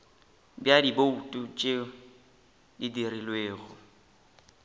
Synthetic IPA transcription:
bjadiboutʼut͡ʃʼe | didirilweːɣʊ

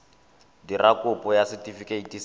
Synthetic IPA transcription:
dirakʼʊpʼɔjasitʼifikʼeitʼis

